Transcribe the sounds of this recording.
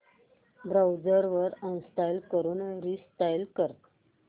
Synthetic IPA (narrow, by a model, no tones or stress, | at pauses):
bɾawd͡zəɾʋəɾənst̪ajlkəɾuːnɾist̪ajlkəɾt̪